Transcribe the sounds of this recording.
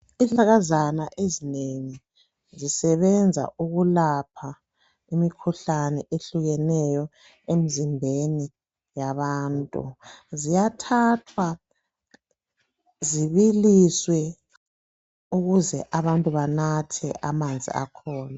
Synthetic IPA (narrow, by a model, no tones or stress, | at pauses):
iɬʼaɣazanaʔezineŋi | zisɛβɛnd͡zʱa̰uɣulapʰa | imikʰuɬanɛʔeɬuɣɛnɛjɔ | em̩zimbʱeni | jaβaːntʼṵzijatʰatʰwa | ziβiliswɛ | uɣuzɛʔaβantʼuβanatʰɛ̰ʔamand͡zʱḭʔa̰kʰɔːna